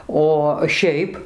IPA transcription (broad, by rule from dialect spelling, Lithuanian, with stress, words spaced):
oː ˈʃʲɛɪp